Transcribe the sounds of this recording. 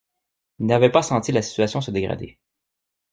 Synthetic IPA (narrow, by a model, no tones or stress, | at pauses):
inavɛpasɑ̃t̪ilasi̥t̪ɥasjɔ̃səd̪eɡʁa̰d̪ḛ